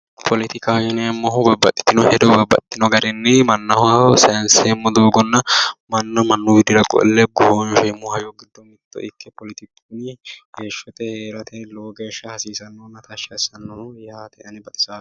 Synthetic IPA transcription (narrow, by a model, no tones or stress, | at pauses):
pʰɔlɪt̪ɪkɐwjɛnɛmːɔɦʊbɐbːɐt̪ʼːɪ̥t̪ːɪnɔhɛd̪ɔbɐbɐ̰t̪ːɪnɔɡɐd̪ɛnːɛmɐnːɐhawsɐjɐnsɛmːɔd̪oːɡɔnːɐmɐnːɔmɐnːʊɡɪd̪ɪɾɐkʼɔ̰ʔɛ̰lːɛɡɔhoːnfɛmːɔhɐjɔɡɪd̪ːɔmɪt̪ːɔ̰ʔɪkʰːɛpɔlɪt̪ɪkː | nɪɡeːʃːɔt̪ɛheːɾɐt̪ʰɛloːɡeːʃːɐhɐsiːsɐnːɔnːɐt̪ʰɐʃɐsɐnːɔjaːt̪ɛʔɐnɪbɐt̪ʼɪ̥saː